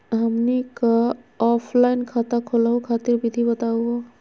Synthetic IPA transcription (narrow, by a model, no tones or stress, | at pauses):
ɦəmnikəɔpʰlainkʰat̪akʰolɦukʰat̪iɾbid̪ʱibət̪auo